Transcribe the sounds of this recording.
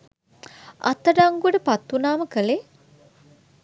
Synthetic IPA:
a̰t̪əɖaŋɡuəʈəpat̪ːunaːməkəle

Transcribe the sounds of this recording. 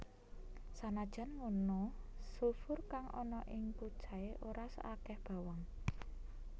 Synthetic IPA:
sanad̥ʒ̥a̤nmunosufʊrkaŋʔɔ̰nɔʔɪŋpud̥ʒ̥a̤eʔoɾasə̰ʔakɛhb̥a̤waŋ

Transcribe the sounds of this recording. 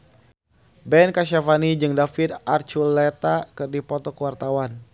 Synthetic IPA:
bɛnkaʃ̬afanid͡ʒɨŋdafirart͡ʃulɛt̪akɨrdipɔt̪ɔkəwart̪awan

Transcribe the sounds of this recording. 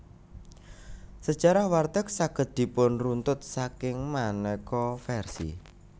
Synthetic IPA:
sə̥ʒ̥aɾahwart̪ək̚saɡ̥ət̪̚d̪̥i̤pʊnrunt̪ʊt̪̚sakɪŋmanɛkɔfɛrsḭ

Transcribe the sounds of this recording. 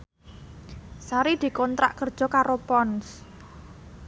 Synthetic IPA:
saɾid̪̥i̤kɔnt̪ɾa̰ʔkərd̥ʒ̥ɔ̤kaɾopɔns

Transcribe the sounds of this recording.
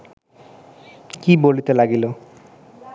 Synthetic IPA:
kibolit̪elaɡilo

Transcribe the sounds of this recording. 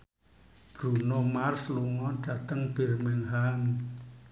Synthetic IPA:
b̥ɾunomarsluŋɔɖ̥ä̤t̪əŋb̥e̤rmɛŋɦaŋ

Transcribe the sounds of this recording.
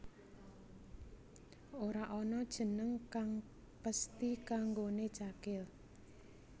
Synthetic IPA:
oɾaʔɔnɔd̥ʒ̥ə̤nəŋkaŋ | pəst̪ikaŋɡone̥t͡ʃakɪl

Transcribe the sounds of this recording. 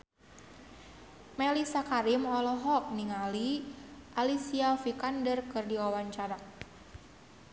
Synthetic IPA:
mɛlisakaɾimɔlɔɦɔk̚niŋaliʔalisiafikandərkɨrdiwawaɲt͡ʃaɾa

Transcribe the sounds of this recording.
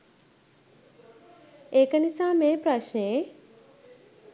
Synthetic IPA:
eːkənisaːmeːpɾaʃne

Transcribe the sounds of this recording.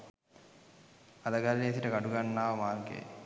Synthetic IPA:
ɐd̪əɡalːeːsiʈəkaɖuɡanːaːʋəmaːrɡḛː

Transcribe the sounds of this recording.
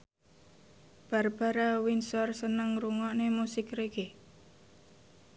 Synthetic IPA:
b̥a̤rb̥a̤ɾawinsɔrsənəŋruŋɔʔnemusɪkreɡe

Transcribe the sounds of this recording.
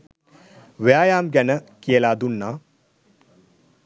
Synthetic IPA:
ʋejaːjaːmɡɐnɐkijelaːd̪unːaː

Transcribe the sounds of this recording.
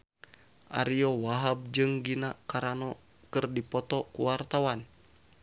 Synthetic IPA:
ʔa̰ɾiɔwaɦab̚d͡ʒɨŋɡinakaɾanɔ | kɨrdipɔt̪ɔkuwart̪awan

